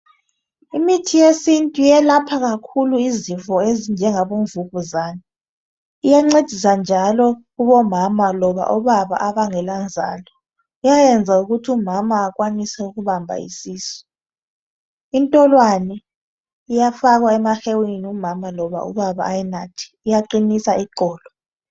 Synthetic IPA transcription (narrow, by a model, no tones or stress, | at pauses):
imitʰijesintʼujɛlapʰaɣakʰuluizivɔezind͡ʒʱɛŋaβoɱvuɣuzaːni | ijaŋ͡ǀed̥ʱis̬and͡ʒʱalɔ | uβɔmamalɔβa̰ʔɔβaβa̰ʔaβaŋɛland͡zʱa̰ːlɔ | ujajɛnd͡zʱauɣutʰiumamaːkwanisɛuɣuβambʱa̰ḭsiːsɔ̥ | intʼɔlwanɛ | ijafaɣwaɛmaxewiniumamalɔβa̰ṵβaβa̰ːjɛnatʰi̥ːjaǃinisaiǃɔːlɔ